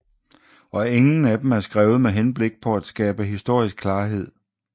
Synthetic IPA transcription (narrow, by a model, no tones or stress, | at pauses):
ɒ̽e̝ŋn̩æd̥em̩æɐsɡ̥ʁɛːʊð̞̩ˠmeɦenb̥le̝ɡ̥̚pʰɒ̽æd̥sɡ̥ɛːb̥əɦisd̥o̝ɐ̰isɡ̥kʰːlɑ̈ːɦe̝ð̞̰ˠ